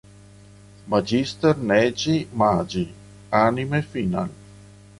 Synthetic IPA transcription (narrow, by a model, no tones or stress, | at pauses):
mad͡ʒist̪əɾnɛːd͡ʒimaːd͡ʒi | animefina̰l